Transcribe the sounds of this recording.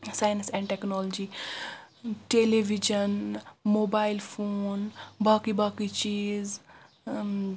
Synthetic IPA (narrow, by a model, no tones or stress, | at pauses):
saːjnsɛ̃ːɳɖʈɛknɔːlod͡ʒiː | ʈeːleʋid͡ʒənmoːbaːɪlfʰoːnbaːkibaːkit͡ʃiːz